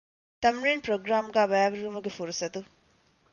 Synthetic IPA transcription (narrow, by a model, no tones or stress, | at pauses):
t̪ɐmɾenpɾoɡɾamɡabajabɾumɐɡipʰuɾusɐd̪u